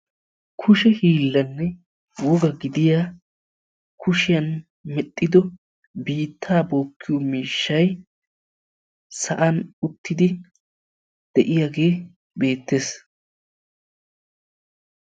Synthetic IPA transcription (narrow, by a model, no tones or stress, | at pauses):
kʰʊʃɛhiːlːɐnːɛ | wɔɡɐɡɪd̪ɪja | kʰʊʃɪjɐn | mɛt̪ʼːɪd̪ɔ | biːt̪ʰːaːboːkʰːɪjɔmiːʃːɐj | sɐʔɐnʊt̪ːɪd̪ɪ | d̪̥ɛʔɪjaɡe̞ː | be̞ːt̪ːe̞ːs